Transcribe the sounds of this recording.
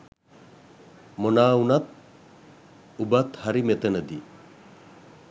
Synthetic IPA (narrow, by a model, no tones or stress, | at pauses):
monaːunat̪̚ | ubat̪haɾimet̪ənəd̪i